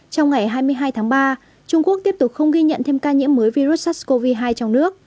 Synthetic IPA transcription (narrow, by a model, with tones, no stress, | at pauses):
t͡ɕɔ˧wŋ͡mŋa˨˩jɦaː˧jmɨ˧əjɦaː˧jt̪ʰaː˨˦ŋɓaː˧ | t͡ɕʊ˧ŋ͡mku˦˥ək̚t̪i˦˥əp̚t̪ʊ˨˩k͡p̚xə˧wŋ͡mɣi˧ɲə̰˧˨nt̪ʰe˧mkaː˧ɲḭ˧˥əmːəː˨˦jvi˧ɾu˦˥t̚sa˦˥sko˧vi˧ɦaː˧jt͡ɕɔ˧wŋ͡mnɨ˦˥ək̚